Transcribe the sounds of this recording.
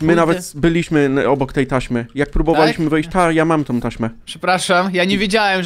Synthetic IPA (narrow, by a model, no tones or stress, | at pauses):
mɘnavɛt̪bɘlʲiɕmɘɔbɔkt̪ɛjt̪aɕmɘjak̚pɾubɔvalʲiɕmɘvɛjɕt͡ɕt̪ajamamt̪ɔ̃w̃t̪aɕmɛpʂɛpɾaʂamjaɲevʲjed͡ʑawɛm